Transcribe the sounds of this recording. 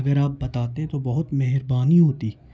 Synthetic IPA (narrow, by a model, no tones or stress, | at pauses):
ɐɡəɾaːp̚bɐt̪aːt̪eɦẽt̪obɐɦʊt̪meɦɪɾbaːniɦoːt̪iː